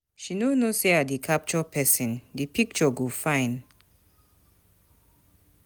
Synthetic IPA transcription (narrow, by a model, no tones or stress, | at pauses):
ʃinonoseadikʰap̚t͡ʃɔpʰɛsɛ̃ndipʰik̚t͡ʃɔɡofãɪ̃n